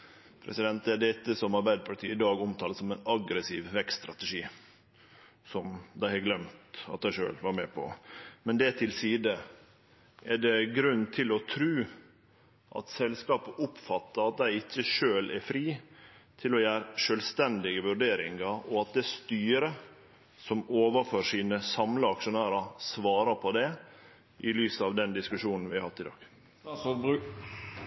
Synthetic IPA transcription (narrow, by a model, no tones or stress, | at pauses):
pʰɾɛ̰sɪd̪ɛnt̪ɛɖ̪ɛt̪ːəsɔmɑɾbæɪd̪əpʰɑɾʈ̪ʰiːɪd̪ɑːɡɔmt̪ʰɑːləsɔmæɪnɑɡɾəsiːʋʋɛkst̪ɾɑt̪əʂiː | sɔmd̪æɪhɑɡlɛmt̪ɑt̪̚d̪æɪʂø̰ːlʋɑɾmɛpʰɔ̰mɛnd̪ɛt̪ʰɪlsiːd̪ə | ʔɛɖɛɡɾʉnːt̪ʰɪlɔt̪ʰɾʉː | ʔɑ̰t̪sɛlskɑːpəʔʊpfɑt̪ːəɾɑt̪̚d̪æɪɪçːəʂøːlɛɾfɾiːt̪ʰɪlɔjæːɾʂœlst̪ɛnd̪ɪɡəʋʉɾɖeːɾɪ̰ŋɑɾɔɑt̪̚d̪ɛst̪yːɾə | sɔmoːʋəɾføːɾʂiːnəsɑmləɑkʂʊnæːɾɑsʋɑːɾəpʰɔd̪ɛ | ʔɪlyːsəɑʋd̪ɛnd̪ɪskʉʂuːnn̩ʋɪhɑɾhɑft̪ːɪd̪ɑ̰ːɡ̥